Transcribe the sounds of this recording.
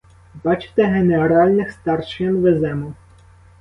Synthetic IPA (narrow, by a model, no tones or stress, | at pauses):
bɑt͡ʃɪ̥t̪ɛɦeneɔɾɑlʲnɪxst̪ɑrʃɐnʋezɛmʊ